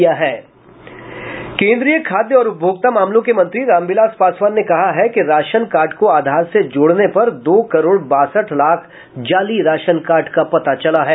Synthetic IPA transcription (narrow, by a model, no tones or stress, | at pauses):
jaɦɛː | kẽːnd̪ɾijəkʰaːd̪jəɔːɾʊp̚bʱjoːɡ̚t̪amaːmlõkemɐ̃nt̪ɾiɾãːmbɪlaːspaːswaːnnekɐɦaɦɛkeɾaːʃənkaːɾʈkoaːd̪ʱaːɾsed͡ʒoːɽnepɐɾd̪oːkɐɾoːɽbaːsəʈʰlaːkʰ | d͡ʒaːliɾaːʃənkaːɾʈkapɐt̪at͡ʃɐlaɦɛː